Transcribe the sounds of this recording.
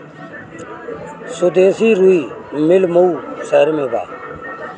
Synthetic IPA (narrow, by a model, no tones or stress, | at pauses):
sʊd̪eːsiːɾuiːmɪlmouːsəɾmeːba̰ː